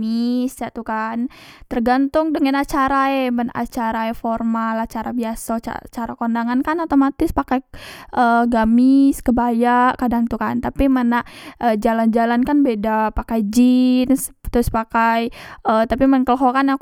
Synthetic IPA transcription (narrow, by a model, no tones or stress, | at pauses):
ɪsjaʔt̪ukant̪ərɡant̪ʊŋdəŋanat͡ʃaɾaemənaʔa̰t͡ʃaɾaeformalat͡ʃaɾabiasaa̰t͡ʃaɾakondaŋankanot̪omat̪ɪspakajʔəɡamɪskəbajaʔkadaŋt̪ukant̪apimənaʔʔəd͡ʒaland͡ʒalankanbedapakajd͡ʒinst̪ɾʊspakajʔət̪apimənŋkəlɦokana